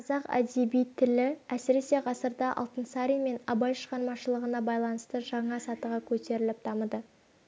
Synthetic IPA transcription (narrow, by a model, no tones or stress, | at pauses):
qʰɑzɑqæ̰d̪ebijt̪ʰːɪlɪæsɪɾe̞se̞ʁɑsəɾd̪ɑʔɑ̰lˠt̪ənsɑɾijme̞nɑbɑjʃəʁɑɾmɑʃəlˠəʁənɑbɑjlˠɑnəst̪əʒɑɴɑsɑt̪əʁɑkʲʰɵt̪e̞ɾɪlɪp̚d̪ʰɑməd̪ə